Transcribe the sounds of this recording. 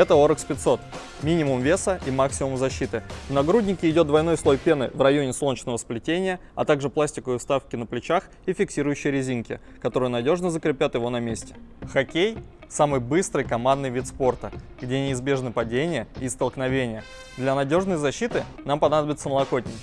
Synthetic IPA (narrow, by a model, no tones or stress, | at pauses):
ɛt̪əo̞ɾəkspʲɪt̪so̞t̪ | mʲinʲɪmʊmvʲe̞səʔimaksʲɪmʊmzɐɕːit̪ɨvnɐɡɾudʲnʲɪkʲɪɪdʲod̪vɐjno̞jslˠo̞jpʲe̞nɨ̰vrɐjo̞nʲɪslont͡ɕnəvəsplʲɪtʲenʲɪjəɐ̰t̪aɡʐɨplˠasʲtʲɪkəɪst̪afkʲɪnəplʲɪt͡ɕax | ifʲɪksʲiɾʊjʏɕːɪjɾʲɪzʲinkʲɪ̰ | kɐt̪o̞ɾɨjnɐdʲo̞ʐnəzəkɾʲɪpʲat̪jɪvo̞nɐmʲesʲtʲɪ̥xɐkʲej | samɨjbɨst̪ɾɨjkɐmand̪nɨjvʲit̪spo̞rt̪əɡdʲenʲɪɪzbʲe̞ʐnɨpɐdʲenʲɪjəɪst̪əlˠknɐvʲenʲɪjə | d̪lʲanɐdʲo̞ʐnəjzɐɕːit̪ɨnampɐnad̪əbʲɪt̪səməlˠɐko̞t̪̚ʲnʲɪkʲ